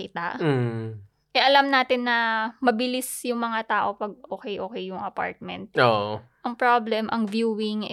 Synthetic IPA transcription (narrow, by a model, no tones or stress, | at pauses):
ɪt̪aʔ | ʔɛʔɐlamnaːt̪ɪnːɐmɐbɪlɪsjʊŋmɐŋat̪aːʔo̞pɐɡ̚ʔoːkɛjʔoːkɛjːʊŋʔɐpa̰ɹt̪̚mɛ̰nt̪̚oʔoʔɐŋpɹoblɛmʔɐŋvjuːwɪŋ